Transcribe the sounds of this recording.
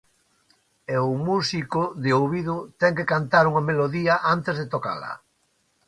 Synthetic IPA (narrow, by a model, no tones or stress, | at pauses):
eʊmusikʊðɪowβiðʊt̪ɛŋkekant̪aɾuŋɐmeloðiɐʔant̪ezðet̪oka̰lɐ̰